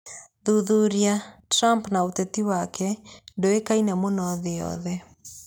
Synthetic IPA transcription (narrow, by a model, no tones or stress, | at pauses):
ðuðuɾiatɾampnaotɛtiwakʰɛndoekainamonɔðeɔ̰ðɛ